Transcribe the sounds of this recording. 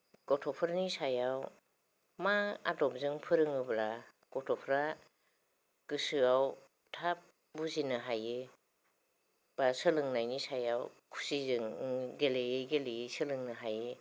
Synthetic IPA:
kɔtʰɔpʰɯɾnisajaw | maa̰dɔp̚zɯŋpʰɯɾɯŋɯbla | kɔtʰɔpʰɾa | kɯsɯaw | tʰap̚ | buzinɯɦajɯ | b̥asɯlɯŋnajnisajawkʰu̥sizɯŋɡelejejɡelejesɯlɯŋnɯɦajɯ

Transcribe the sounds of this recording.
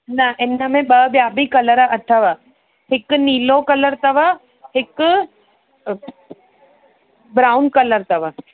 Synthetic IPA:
nɐʔɪnə̆mẽɓɐbjaːbʱikɐləɾʔɐʈʰəʋa | hɪkniːlokɐləɾt̪ɐʋa | hɪk | bɾaːʊnkɐləɾt̪ɐʋa

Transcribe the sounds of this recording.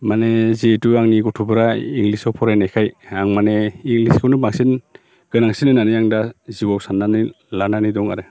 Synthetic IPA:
manezetuaŋniɡɔtʰubɯɾaiŋɡlisɔwpʰɔɾajnajkʰajaŋmaneiŋliskʰɯwnɯbaŋsin | ɡ̥ɯnaŋsinɯnanɯjaŋdaziwawsanːanɯ | lananidɔŋa̰ɾɯ

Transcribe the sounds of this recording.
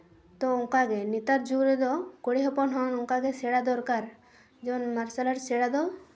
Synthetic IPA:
t̪ɔɔŋkaɡɛnit̪aɾd͡ʒuɾɛd̪ɔkɔɽiɦɔpɔnɦɔnɔŋkaɡɛsɛɽad̪ɔɾkaɾ | d͡ʒɔwnmaɾsalaɾsɛɽad̪ɔ

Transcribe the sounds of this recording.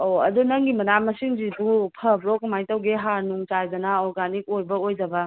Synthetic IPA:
oɐ̰dunɐŋɡimɐnamɐsiŋzibupʰɐbɾɔkmajtɐwɡeɦaɾnuŋt͡ʃajdɐnaɔɾɡanik̚ojbɐojd͡ʒɐbɐ

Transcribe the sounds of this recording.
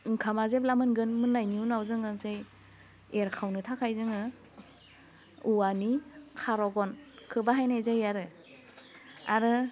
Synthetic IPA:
iŋkʰamazeplamɯnɡɯnmɯnːajniunawzɯŋɯzej | eɾkʰawnɯtʰakʰajzɯŋɯ | uanikʰaɾɔɡɔnkʰɯbaɦajnajzajaɾɯ | a̰ɾɯ

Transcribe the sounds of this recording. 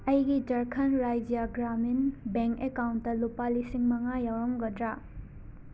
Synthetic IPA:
ɐjɡid͡ʒɐɾkʰɐnɾajd͡ʒijaɡɾaminbeŋkekawntːɐlupalisiŋmɐŋajawɾɔmɡɐdɾa

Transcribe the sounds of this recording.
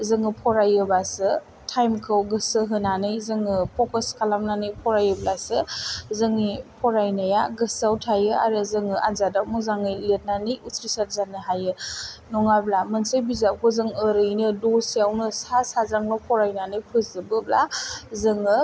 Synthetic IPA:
zɯŋɯpʰɔɾajɯbasɯ | tʰajmkʰɯwɡɯsɯɦɯnanɯjzɯŋɯpʰɔkəskʰalamnanɯjpʰɔɾajɯblasɯzɯŋipʰɔɾajnajaɡɯsawtʰajɯa̰ɾɯzɯŋɯʔazadamɔzaŋɯjlet̚nanɯjutʰɾisaɾzanɯɦajɯnɔŋablamənsɯjbizakʰɔzɯŋəɾɯjnɯdosijawnɯsasazɾaŋnɔpʰɔɾajnanɯjpʰɯzɯbɯbla̰zɯŋɯ

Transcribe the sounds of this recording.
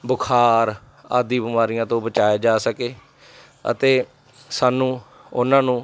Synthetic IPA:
bʊkʰaːɾ | a̰ːd̪iːbəmaːɾijãːt̪õːbət͡ʃaːjaːd͡ʒaːsəkeː | ə̰t̪eː | saːnũː | ʊnãːnũː

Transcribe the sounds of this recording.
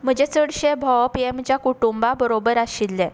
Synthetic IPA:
m̤əd͡ʑet͡səɽɕebʱɔwpiemt͡ɕjakuʈumbabəɾobəɾaɕilːɛ

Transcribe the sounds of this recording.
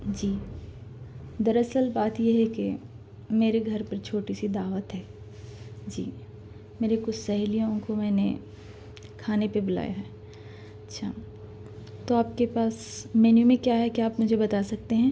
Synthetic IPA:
d͡ʒiː | d̪ɐɾɐsəlbaːt̪jeɦɛke | meːɾeɡʱɐɾpɐɾt͡ʃʰoːʈisid̪aːʋət̪ɦɛː | d͡ʒḭː | meːɾekʊt͡ʃʰsɐɦlijõkomɛ̃ːne | kʰaːnepebʊla̰ːjaɦɛː | ɐtːʃʰa̰ː | t̪oaːp̚kepaːsmɛːnjũmẽkjaɦɛkiaːpmʊd͡ʒʱebɐt̪aːsɐk̚t̪eɦɛ̃ː

